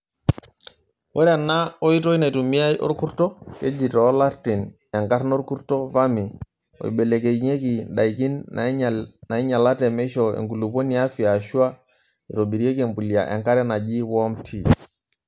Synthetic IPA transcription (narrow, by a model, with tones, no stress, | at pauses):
wɔ˦ɾa˨nːa˦o˦i˦to˦i˦na˨i˨tu˨mi˦a˦jʔɔ̰˦ɾku˦ɾtɔ˦ke˦d͡ʒi˨tɔ˨˦la˦ɾti˨n | ɛ˨ŋka˦ɾno˦ɾku˦ɾto˦va˦mi˨ | o̰˨ḭ˨be˨le˨ke˨ɲe˦ki˨ɗa˨iki˦n | na˨i˦ɲa˨la˦tɛ˨mɛ˦ʃɔ˨ḛ˨ŋɡu˨lu˨po˦ni˨a˦fi˨a˨ʃu˦a˦ | i˨to˨bi˨ɾi˦e˦ke˨mpu˨li˨a̰˨ʔɛ̰˨ŋka˦ɾɛ˦na˨d͡ʒi˦wɔ˦mtʰi˨